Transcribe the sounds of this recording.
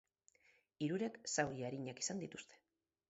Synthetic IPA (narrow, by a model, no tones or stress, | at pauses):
iɾuɾe̞ksawɾiaɾiɲaki̥sand̪it̪ust̪e̥